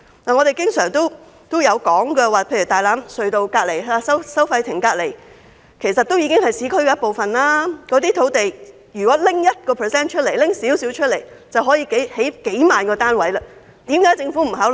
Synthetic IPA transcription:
naː˨˩ŋɔː˨˧ɾe˨jkɪ˥ŋsœː˨˩ŋt̪o˥w | t̪o˥wjɐ˨˧wkɔː˨˥ŋkɛː˧waː˨pʰe˧jy˨˩t̪aː˨jlaː˨˥msɵ˨˧ɥt̪o˨wkaː˧t̚le˨˩jaː˧sɐ˥wsɐ˥wfɐ˧jt̪ʰɪ˨˩ŋkaː˧le˨˩j | kʰe˨˩sɐ˨t̪̚ːo˥wjiː˧kɪ˥ŋhɐ˨jsiː˨˧˥kʰɵ˥ɥkɛː˧jɐ˥po˨wfɐ˨nlaː˥kɔː˨˧t̪iː˥t̪ʰo˨˥wt̪e˨j | jy˨˩kɔː˨˥lɪ˥ŋjɐ˥t̚kɔː˧pʰəː˨˩sɛː˥nt͡ʃʰɵ˥t̚le˨˩jlɪ˥ŋsiː˨˥wsiː˨˥wt͡ʃʰɵ˥t̚le˨˩jt͡sɐ˨wɦɔ˨˥jiː˧ke˨˥jhe˨˥jke˨˥jmaː˨nkɔː˧t̪aː˥nwɐ˨˥jlaː˧ | t̪iː˨˥mkaː˨˥jt͡sɪ˧ŋfuː˨˥m̩˨˩ɦaː˨˥wl

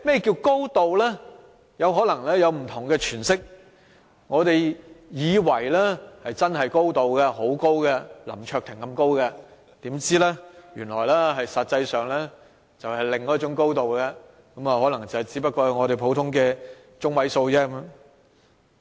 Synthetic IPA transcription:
mɛ˥jɛ˨ki˧wko˥wt̪o˨wlɛː˥ | jɐ˨˧wɦɔː˨˥lɐ˨˩ŋlɛː˥jɐ˨˧wm̩˨˩t̪ʰʊ˨˩ŋkɛː˧t͡ʃʰyː˨˩nsɪ˥k̚ | ŋɔː˨˧t̪e˨jjiː˨˧wɐ˨˩jlɛː˥hɐ˨jt͡sɐ˥nɦɐ˨jko˥wt̪o˨wkɛ˧ɦo˨˥wko˥wɡɛ˧lɐ̰˨˩mt͡ʃʰœː˧k̚t̪ʰɪ˨˩ŋkɐ˧mko˥wkɐ˧ | t̪iː˨˥mt͡siː˥lɛː˥jyː˨˩nlɔː˨˩jlɛː˥ɦɐ˨jsɐ˨t̚t͡sɐ˧jsœː˨˩ŋlɛː˥ | t͡sɐ˨whɐ˨jlɪ˨ŋkɔː˨˦˥t͡ʃʊ˨˥ŋko˥wt̪o˨wkɐ˧ | kɐ˨˥mɐ˨hɔː˨˥lɐ˨˩ŋt͡sɐ˨˩whɐ˨˩jt͡siː˨˥pɐ˥t̚kːɔː˧jɐ˨˧ŋɔː˨˧ɾe˨jpʰo˨˥wt̪ʰʊ˥ŋkɛː˧ | t͡ʃʊ˥ŋwɐ˨˥jso˧wt͡sɛː˥kɐ˧˦mː˧˥ŋ

